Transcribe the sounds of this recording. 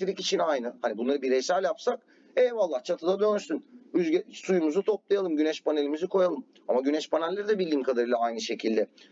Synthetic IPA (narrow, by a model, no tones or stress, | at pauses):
iɾicit͡ʃʰinajnɯhanibunlˠaɾɯbiɾejsæɾjapsak | ɛːvalˠːaht͡ʃʰat̪ʰɯd̪ad̪ønsynyzsujumuzut̪ʰo̞p̚lˠajalˠɯmɟynɛʃpanelʲimizikʰo̞jalˠɯm | amaɟynɛʃpanɛlʲːeɾid̪ɛbilʲːiːmkʰad̪aɾɯlˠaajnɯʃe̞cʰilʲd̪ɛ